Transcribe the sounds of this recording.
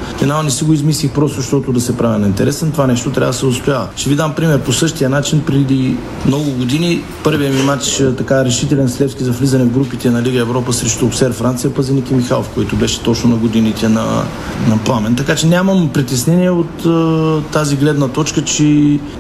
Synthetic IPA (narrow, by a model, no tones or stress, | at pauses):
fɛnanɛsiɡoizmislixpɾɔst̪ʊʃt̪ɔt̪ʊd̪ɐsɛpɾavinɐint̪ɛɾɛsɛnt̪ovanɛʃt̪ot̪ɾʲavəd̪sɛost̪ʊjavəʃɛvid̪ampɾimɛɾposɤʃt̪ijənat͡ʃinpɾɛd̪i | mnɔɡʊɡod̪ini | pɤɾvijɛmimat͡ʃt̪ɐkaɾɛʃit̪ɛlɛnslɛfskʲizɐflizɐnɛvɡɾupit̪ɛnɐliɡəɛvɾɔpəsɾɛʃt̪oːsɛɾfɾant̪sijɐpɐzɛnikimixalˠofkoit̪ʊbɛʃɛ̥t̪ɔt͡ʃnʊnɐɡod̪init̪ɛnɐ̰ | nɐplˠamɛnt̪ɐkat͡ʃɛnʲamɐmpɾit̪ɛsnɛniɛot̪t̪ːaziɡlɛd̪nɐt̪ɔt͡ʃkət͡ʃɛ